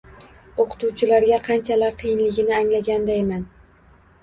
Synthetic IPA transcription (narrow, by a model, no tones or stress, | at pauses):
oqʰɨ̥t̪uwt͡ʃʰɪlaɾɡʲaqʰɑnt͡ʃʰalaɾqʰɨjɪnlɪɡʲɪnɪaŋlaɡʲand̪ajman